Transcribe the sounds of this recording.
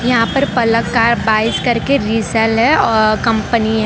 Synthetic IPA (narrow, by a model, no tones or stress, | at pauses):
jɐɦãpɐɾpɐləkːaːɾbaːɪskɐɾkeɾiːsɛlɦɛɔːkɐ̃mpəniɦɛ